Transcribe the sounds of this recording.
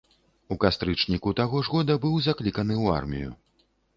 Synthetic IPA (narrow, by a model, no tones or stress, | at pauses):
ukast̪ɾɨt͡ʂnʲikut̪aɣɔʐɣɔd̪ɐbɨwzaklʲikɐnɨua̰rmʲḭjṵ